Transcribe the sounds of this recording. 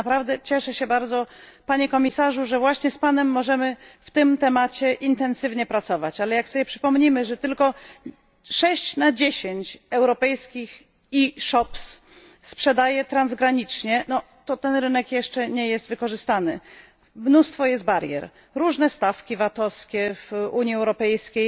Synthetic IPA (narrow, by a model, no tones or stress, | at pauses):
apɾavd̪ɛt͡ɕɛʂɛɕɛbaɾd̪zɔpaɲɛkɔmʲisaʐuʐɛvwaɕɲɛspanɛmːɔʐɛmɘft̪ɘmt̪ɛmat͡ɕɛʔint̪ɛnsɘvɲɛpɾat̪sɔvat͡ɕalɛjaksɔbʲjɛpʂɘ̥pɔmɲimɘʐɛt̪ɘlkɔ | ʂɛɕt͡ɕnad͡ʑeɕeɲt͡ɕɛwɾɔpɛjskʲix | iʂɔps | spʂɛd̪ajɛt̪ɾanzɡɾaɲit͡ʂɲɛnɔ | t̪ɔt̪ɛnɾɘnɛkjɛʂt͡ʂɛɲɛjɛst̪vɘkɔʐɘst̪anɘ | mnust̪fɔjɛst̪̚baɾjɛ̰ɾ | ɾuʐnɛst̪afkʲivat̪ɔskʲɛvuɲiɛwɾɔpɛjskʲej